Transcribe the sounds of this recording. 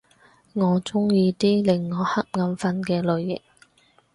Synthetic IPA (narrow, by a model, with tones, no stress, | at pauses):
ŋɔː˨˧t͡sʊ˥ŋjiː˧t̪iː˥lɪ˨ŋːɔː˨˧hɐ˥k̚ŋɐ˨˧mfɐ˧˥nkɛː˧lɵ˨˧ɥjɪ̰˨k̚